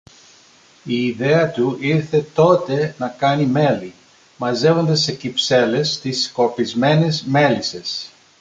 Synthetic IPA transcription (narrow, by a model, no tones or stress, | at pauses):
iːðe̞ɐt̪uiɾθe̞t̪o̞t̪e̞nɐkɐnime̞li | mɐze̞vo̞nd̪ese̞cipse̞le̞st̪isko̞pizme̞nezme̞lise̞s